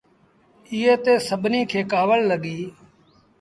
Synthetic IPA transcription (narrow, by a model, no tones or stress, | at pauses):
ɪːeːt̪eːsəɓniːkʰeːkaːʋəlːəɠiː